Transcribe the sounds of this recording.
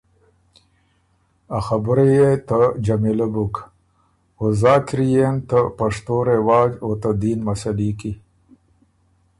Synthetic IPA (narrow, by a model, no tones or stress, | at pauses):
axabɾejet̪əd͡ʒamilabuk | ozaːkɾijent̪əpaʂt̪oɾewɑːd͡ʒot̪ad̪iːnmasaliki